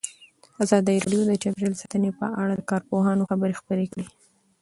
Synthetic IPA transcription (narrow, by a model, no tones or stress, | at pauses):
azɑd̪əjiɾɑ̰ɖjod̪ət͡ʃabɾelsat̪ənepə̰ʔaɽad̪əkɑɾpoɦɑnoxabəɾexpəɾekɽi